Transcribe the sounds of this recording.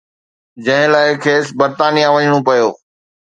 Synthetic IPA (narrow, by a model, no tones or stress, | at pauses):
d͡ʑɐ̃ɦɪ̃laːɪkʰeːsbɐɾt̪aːnijãʋɐɲɽ̃opɐjoː